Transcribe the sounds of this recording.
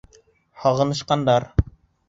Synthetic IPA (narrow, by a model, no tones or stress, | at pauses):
hɒʁɤ̆nɤ̆ʃqɑnd̪ɑɾ